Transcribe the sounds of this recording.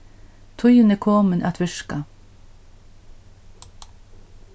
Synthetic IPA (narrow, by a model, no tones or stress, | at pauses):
t̪ʰʊjənəkʰoːmənʔæ̰t̪ʰʋʏʃkɑ